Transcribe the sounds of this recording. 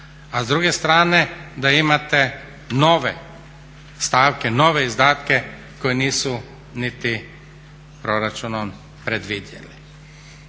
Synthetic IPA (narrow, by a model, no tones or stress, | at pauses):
azd̪ɾuːɡɛst̪ɾaːnɛd̪aimat̪ɛ | noːʋɛ | st̪aːwkɛnoːʋɛizd̪aːt̪kɛ | kojɛniːsɔ | nit̪i | pɾoɾat͡ʃunɔm | pɾɛd̪ʋid̪jɛ̰li